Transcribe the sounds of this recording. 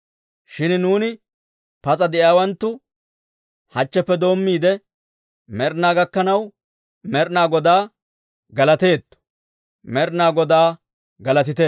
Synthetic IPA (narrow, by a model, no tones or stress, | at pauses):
ʃɪnnuːnɪ | pɐt͡sʼɐd̪ɛjaːwɐnt̪ːʊ | hɐt͡ʃːɛpːɛd̪o̞ːmːiːd̪ɛ | mɛɾnaːɡɐkːɐnɐw | mɛɾnaːɡɔd̪aː | ɡɐlɐt̪e̞ːt̪ː | mɛɾnaːɡɔd̪aː | ɡɐlɐt̪ɪt̪eː